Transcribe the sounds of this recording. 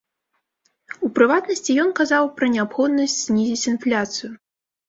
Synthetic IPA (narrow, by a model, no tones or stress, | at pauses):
upɾɨvat̪nɐsʲt͡sʲijɔnkazawpɾɐnʲɛapxɔd̪̚nɐsʲt͡sʲzʲnʲizʲit͡sʲinflʲat̪sɨju